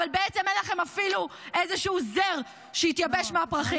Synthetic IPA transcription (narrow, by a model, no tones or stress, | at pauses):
valbeett͡se̞menlaχe̞mafiluʔezeʃuuzeʁ | ʃeit̪jabeʃmeapʁaχi